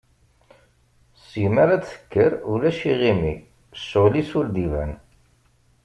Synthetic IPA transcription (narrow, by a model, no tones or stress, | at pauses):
sjmæɾaθə̥kːəɾulæʃiʁimi | soʁlisʊld̪ivæ̰n